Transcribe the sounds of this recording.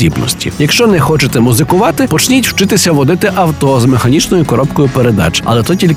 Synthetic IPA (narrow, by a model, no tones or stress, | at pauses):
ibnɔ̰sʲtʲḭjɐkʃt͡ʃɔnɛxɔt͡ʃet̪ɛmuzɪkʊʋɑt̪ɪpɔt͡ʃnʲitʲw̥t͡ʃɪt̪ɪsʲɐʋɔd̪ɪt̪ɪʔɐwt̪ɔzmexɐnʲit͡ʃnɔjʊkɔɾɔpkɔjʊpeɾed̪ɑ̰t͡ʃɐ̰lˠɛt̪ɔtʲilʲ